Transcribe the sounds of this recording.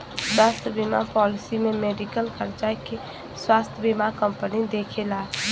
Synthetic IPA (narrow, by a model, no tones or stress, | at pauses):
swaːst̪ʰjəbimapɔːlɪsimẽmeːɖikəlkəɾd͡ʒajke | swaːst̪ʰjəbimakəmpənid̪eːkʰelaː